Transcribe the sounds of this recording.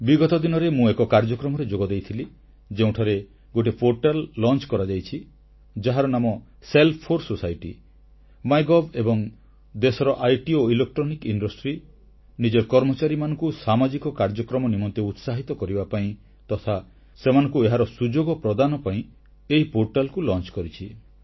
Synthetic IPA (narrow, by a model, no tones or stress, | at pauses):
biɡɔt̪ɔd̪inɔɾemũekɔkaɾd͡ʒɔkɾɔmɔɾed͡ʒoɡɔd̪ejt̪ʰili | d͡ʒeũʈʰaɾe | ɡoʈ̬ipʰoɾʈalːɔnt͡ʃkɔɾad͡ʒajt͡ʃʰi | d͡ʒaɦaɾɔnamɔ | selpʰːoɾsosajʈi | majɡɔbebɔŋ | d̪esɔɾɔʔajʈioilek̚ʈɾɔnikiɳɖɔsʈɾi | nid͡ʒɔɾkɔɾmɔt͡ʃaɾimanɔ̃ŋkusamad͡ʒikɔkaɾd͡ʒɔkɾɔmɔnimɔnt̪eut̪saɦit̪ɔkɔɾibapaĩ | t̪ɔt̪ʰa | semanɔ̃ŋkueɦaɾɔsud͡ʒoɡɔpɾɔd̪anɔpaĩ | eɦipoɾʈalkulɔnt͡ʃkɔɾit͡ʃʰi